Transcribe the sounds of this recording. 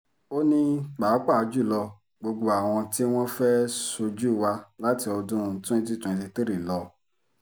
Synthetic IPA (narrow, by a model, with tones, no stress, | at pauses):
o˦nĩ˦k͡pa˨˦k͡pa˦˨˧d͡ʒu˦˨lɔ˧ | ɡ͡bo˧ɡ͡bo˧a˨w̃ɔ̃˧ti˦w̃ɔ̃˦fɛ˦so˧d͡ʒu˦˨wa˧la˦ti˧ɔ˧dũ˦˧˨tũ˦ĩ˧t̬i˦tũ˨ĩ˨˧ti˧te˦ɾi˨lɔ˧